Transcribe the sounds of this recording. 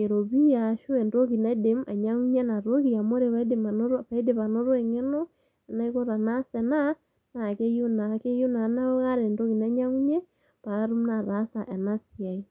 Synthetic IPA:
e˨ɾo˨βi˦ja˨ʃu˦ɛ˨ndo˦ki˨na˦de˨ma̰˨ɲa˦ŋu˦ɲɛ˦na˨ɾo˦ki˨a˨mo˦ɾe˨βa˦de˨ma˨noɾpa˨i˦de˨pa˨no˦ɾɔ˦ɛ˨ŋɛ˦no˦ | ɛ˨na˦i˦ko˦ɾa˨na˦sɛ˨na˦ | na˨ke˦jo˦na˨ke˦jo˦na˨na˦ɔ˦ka˦ɾɛ˨ndo˦ki˨na˨˦ɲa˦ŋu˦ɲe˦ | pa˨˦ɾu˦mna˨ɾa˨˦sa˨ʔɛ˨na˦si˨a˨i˦

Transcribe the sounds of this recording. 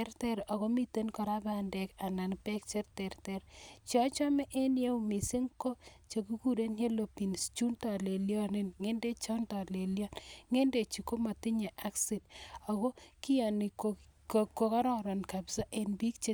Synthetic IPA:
ɛɾtɛ˦ɾɔ˨ko˦mi˦te˦nkɔ˨ɾa˦ba˨nde˨ka˨na˨npɛ˦k̚t͡ʃe˦ɾtɛ˨rtɛ˨ɾt͡ʃjɔ˦t͡ʃɔ˦mɛ˦ʔe˦nje˦u˦mi˨se˦ŋko˦t͡ʃe˨ku˦ku˦ɾe˦nhe˦lo˨pi˨nst͡ʃu˦ntɔ˨le˨ljɔ˦ne˦nŋe˦nde˦t͡ʃɔ˦ntɔ˨le˨ljɔ˦nŋe˦nde˨t͡ʃi˨ko˦ma˨ti˦ɲe˨ʔa˦ksi˨dɔ˨ko˦ki˦jɔ˨ni˨ko | ko˨ka˦ɾɔ˨ɾɔ˨nka˨bsa˦ʔe˨nbi˦k̚t͡ʃe˦

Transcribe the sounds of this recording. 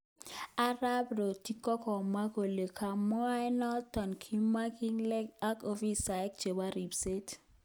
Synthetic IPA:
a˦ɾa˦bɾo˨ti˦kɔ˦kɔ˨ma˦ko˨le˨kʰa˨mɔ˦a˦ɛ˦nɔ˦tɔ˨nkʰi˦ma˦ki˦ŋlɛ˦ka˦ko˦fi˦sa˨ɛ˦k̚t͡ʃe˨ba˦ɾi˨bse˦t

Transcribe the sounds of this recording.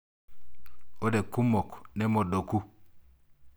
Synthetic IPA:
o˦de˨ku˦mo˨kne˦mo˨do˨ku˦

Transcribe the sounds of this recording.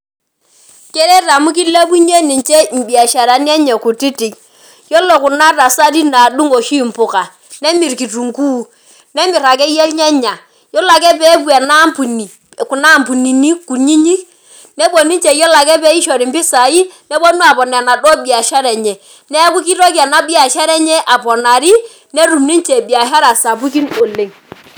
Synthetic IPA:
kɛ˦ɾɛ˦ɾa˨mu˦k̬i˦le˦bu˦ɲe˦ni˨t͡ʃɛ˦m̩˨bi˨a˨ʃa˨ɾa˨n˦ɛ˦ɲɛ˨ku˨ti˦ti˨ŋ | jɔ˦lo˨ku˨na˦ɾa˨sa˦ɾi˦na˨du˦ŋo˨ʃi˦˨m̩˨pʊ˨ka˨ | nɛ˦mi˨ɾki˨tu˨ŋku˦˨ | nɛ˦mi˨ɾa˨kɛ˦jɛ˦lɲɛ˦ɲa˨ | jɔ˦la˨kɛ˦pɛ˦bwɛ˨na˦mpu˨ni˨ | ku˨na˦˨mpu˨ni˨ni˦ku˨ɲi˦ɲi˦k | nɛ˦bo˨ni˦nt͡ʃe˨jɔ˦la˨kɛ˦pɛ˦i˦ʃɔ˨ɾi˨mbi˦sa˨i˦nɛ˦bo˦nu˦a˨pɔ˨nɛ˨na˨dɔ˦bi˨a˨ʃa˦ɾɛ˨ɲɛ˨ | nɛ˦ku˦ki˦ɾo˦ka˨na˦bi˦a˨ʃa˦ɾɛ˦ɲɛ˦ʔa˨pɔ˨na˨ɾi˦ | ne˦ɾu˨mni˦nt͡ʃe˨bi˨a˨ɦa˦ɾa˨sa˨p̬u˦ki˦no˨le˨ŋ

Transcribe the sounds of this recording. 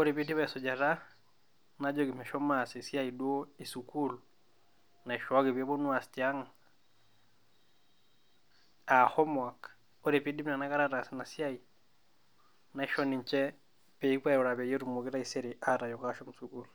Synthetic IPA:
o˦ɾi˨pi˦di˦βa˦sɔ˨d͡ʒaɾa | na˦d͡ʒɔ˦ki˨mɛ˨ʃɔ˦ma˨si˨sja˦idwo˦isukulu | na˨iʃa˦ki˨βɛ˦bɔ˦nwa˨stia˦ŋa | a˨hɔ˦mwa˨k | oɾi˨pi˦di˦m˦na˨na˦ka˦ɾaɾa˨sina˨sja˦i | na˨iʃɔ˦ni˨ɲt͡ʃɛ˦ | pe˨i˦kwa˦u˨ɾa˨βɛ˨je˦ɾu˨mu˨ki˦ɾa˦isɛ˦ɾiʔaɾa˨jɔ˨kaʃɔ˦m̩usukulu

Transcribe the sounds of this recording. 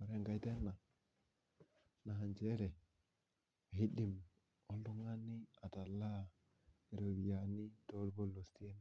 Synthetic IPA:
a˨ɾe˦˨ŋɡa˦jte˦nːa˨ | na˨ɦa˨nd͡ʒe˦ɾe˨ | a˨ɦi˦di˨m | o˦ldu˦ŋa˦ni˦a˨ta˨lːa˦˨ | e˨ɾo˨ɾi˨ja˨ni˦to˦lbo˦lo˨sti˦e˦n˦

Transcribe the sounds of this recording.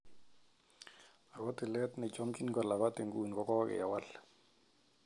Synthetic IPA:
a˨kɔ˦tɪ˨lɛ˦tnɪ˨t͡ʃɔ˦mkʼi˦nkɔ˨la˨βa˦te˨ŋku˨n˨kɔ˦kɔ˦kɪ̰˨ja˨wa˦l

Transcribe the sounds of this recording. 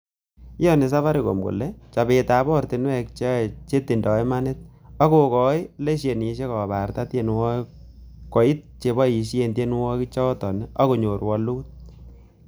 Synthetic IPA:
jɔ˦ne˨s̬a˦fa˦ɾe˨ko̰˨mɡo̰˨lɛ˦t͡ʃa˨be˨ta˨bɔ˦rti˨nwɛ˦k̚t͡ʃe˦t͡ʃe˦tːi˨ndɔ˨ema˦nɪ˦t̚ | ɔ˦ko˨kɔ˨jle˦ʃje˨ni˨ʃe˦kɔ˨ba˨rta˦tje˨nwɔ˦ | kɔ˨i˦t̚t͡ʃe˨bɔ˦i˨ʃe˨nde˦n˦wɔ˦ki˦t͡ʃɔ˦tɔ˨neʔɔ˦ko˨ɲo˨ɾwɔ˦luː˦t̚

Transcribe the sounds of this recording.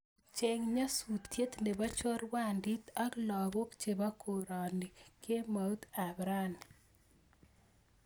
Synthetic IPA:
t͡ʃe˦ŋɲa˦su˨t̪ːje˦t̪nde˨ba˦t͡ʃɔ˦ɾwa˦˨ndi˦t̪a˦klɔ˨bo˦kt͡ʃe˨ba˦kʰo˨ɾɔ˨ni˨ke˦ma˨u˦t̪a˨bɾa˦n

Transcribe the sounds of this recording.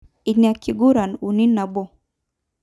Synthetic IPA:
i˨na˨ki˨ɡu˦ɾa˨nu˨ni˦na˨bɔ˦

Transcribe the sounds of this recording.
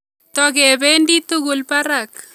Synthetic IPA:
t̪ɔ˨kɛ˨be˦ndi˦t̪u˦ɡʊ˨lpa˦ɾa˨k̚

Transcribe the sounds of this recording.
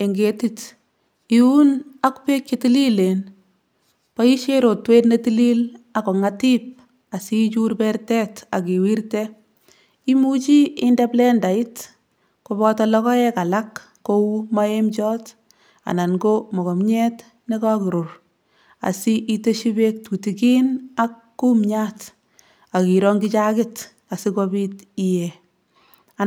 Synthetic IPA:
e˨ŋɡetit | i˨u˦na˦kpe˦kt͡ʃeti˦li˦len | pa˦i˦ʃeɾo˨tweː˦tne˦ti˦li˦lakɔ˨ŋatip̚ | a˨si˦t͡ʃu˦rpɛrtɛ˦ta̰˨ki˨wiɾtɛ | i˦mu˦t͡ʃi˦ɪ˦ndɛ˦plɛ˦nda˨i˦t | kubɔtɔlɔkɔ˦ɛka˨la˦kː | o˦u˦ma˦emt͡ʃɔː˦t | a̰˨na˨nɡo˦mɔ˨kɔ˨mɲɛ˦t | ne˦kɔ˦kɪ˨ɾo˨r | a̰˨si˦ʔite˦ʃi˦bek̚tʰu˨tiki˦nakːu˦mɲaːt | a˨ki˨ɾɔŋɡit͡ʃa˦kɪt | a˨si˦kobitijɛ | a

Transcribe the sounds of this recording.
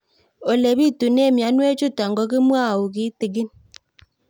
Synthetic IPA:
o˨le˨bi˦˨tu˨ne˦˨mja˨˦nwe˦t͡ʃu˦ta˨ŋɡɔ˨˦k̬i˦mwa˦˨u˨ki˦ti˨ɡɪ˦n

